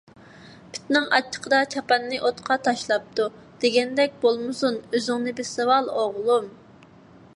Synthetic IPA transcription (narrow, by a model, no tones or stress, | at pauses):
pʰɪ̥t̪nɪŋɑ̰t͡ʃʰːə̥qʰəd̪ɑt͡ʃʰɑpɛnːɪʔot̪qʰɑt̪ʰɑʃlˠɑp̚t̪u | d̪̥eɡʲɛnd̪ɛk̚ʲbolˠmɨsunøzɪŋnɪbɪɾsɨwɑlˠoʁlˠum